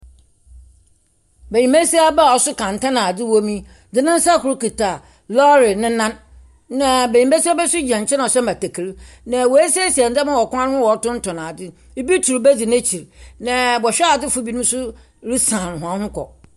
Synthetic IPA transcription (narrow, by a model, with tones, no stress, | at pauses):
be˨jĩ˨me˦si˦a˦ba˦˨ɔ˨sʊ˦kʰã˨n̩˨tã˦nã˨dɪ˦wo˦mĩ˦ | dɪ˨nɪ̃˦n̩˦sa˦˨kʰʊ˨ɾu˦ki˨ta˨ | lɔ˦ɾɪ˨nɪ̃˦nã˦n | nã˨be˨ɲĩ˨mbe˦si˦a˦bɛ˦sʊ˦d͡ʑã˨ɲ̩˨t͡ɕʰɛ˦ã˨ɔ˨ɕɛ˦ma˨tæ˨kʰi˨ɾ | nã˨wo˨e˦si˦a˦si˨a˨n̩˨d͡za˦mã˦wɔ˨kʊ̃˦ã˦nɪ˦hʊ̃˦wɔ˨˦tʊ̃˦n̩˦tʰɔ̃˨nã˨dɪ˦ | bi˦tʰu˨ɾbe˦d͡zi˨nẽ˦t͡ɕʰi˨ɾnã˨bɔ˨ɕᶣɛ˦a˨dɪ˦fu˦bi˨nʊ̃˦m˦sʊ˦ | ɾi˦sã˨n˨hʊ̃˨ã˦hʊ̃˦kɔ̰˨